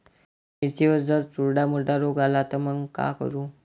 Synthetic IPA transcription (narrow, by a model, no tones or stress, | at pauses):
iɾt͡ɕiʋəd͡zəɾt͡suɾɖamuɾɖaɾoɡalat̪əməŋka̰kə̰ɾũ